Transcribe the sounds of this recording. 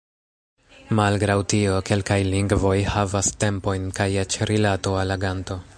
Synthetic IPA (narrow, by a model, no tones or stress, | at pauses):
malɡɾawtio̞ke̞lkajliŋɡvo̞jhavaste̞mpo̞jnkajet͡ʃɾilato̞alaɡanto̞